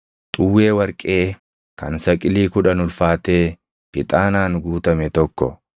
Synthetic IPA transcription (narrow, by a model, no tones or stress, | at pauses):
t̪ʼʊwːe̞ːwɐɾkʼe̞ː | kɐnsɐkʼɪliːkʊᶑɐnʊlfaːt̪e̞ː | pɪt̪ʼaːnaːnɡuːt̪ɐmɛt̪ɔkːɔ̰